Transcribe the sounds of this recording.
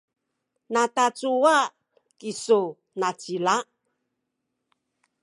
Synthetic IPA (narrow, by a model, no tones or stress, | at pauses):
natat͡suwa | kisu | nat͡sila